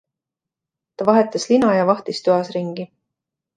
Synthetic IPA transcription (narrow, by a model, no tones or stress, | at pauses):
t̪ɑvɑɦe̞t̪ːˑɑslinɑjɑvɑht̪ist̪yɑsɾiŋɡ̥i